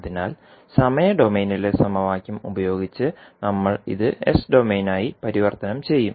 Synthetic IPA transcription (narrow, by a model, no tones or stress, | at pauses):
ðinaːl | sɐmɐjɐɖo̞meːnilesɐmɐʋaːkʲjumubɐjo̞ːɡit͡ɕːɨnɐmːɐɭḭðɨḛsɖo̞me̞ːnaːjipɐɾiʋɐrt̪ɐnɐmt͡ɕe̞jːum